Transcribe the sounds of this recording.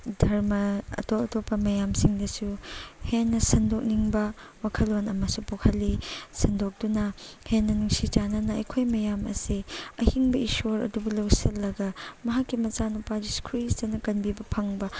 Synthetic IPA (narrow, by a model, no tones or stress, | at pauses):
dʱɐɾmɐɐ̰toɐtopːɐmɐjamsiŋdɐsuhenːɐsɐndok̚niŋbɐ | wakʰɐlonɐmɐsupokʰɐlːisɐndok̚d̥unɐhenːɐniŋsit͡ʃanɐnɐɐ̰jkʰojmɐjamɐ̰siɐhiŋbɐisoɾɐ̰dubulɐwsɐlːɐɡɐmɐɦakːimɐt͡ʃanupad͡ʒiskʰuɾisdɐnɐkɐnbibɐpʰɐŋbɐ